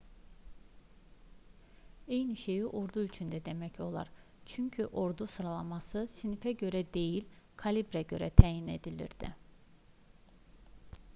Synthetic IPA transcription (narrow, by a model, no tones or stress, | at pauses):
ejniʃe̞jiʔo̞ɾd̪uyt͡ʃʰynd̪æd̪e̞mɛcʰo̞lˠa̰ɾ | t͡ʃʰyɲcʰyʔo̞ɾd̪usɯɾalˠamɑsɯsinifæɟø̞ɾɛd̪e̞jilʲkʰalʲibɾɛɟø̞ɾɛ̰t̪ʰæjine̞̰d̪ilʲḭɾd̪̥ḭ